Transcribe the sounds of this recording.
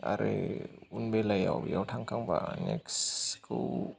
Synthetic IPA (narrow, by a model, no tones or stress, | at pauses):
a̰ɾeunbelajawbjawtʰaŋkaŋba̰nɛkskʰu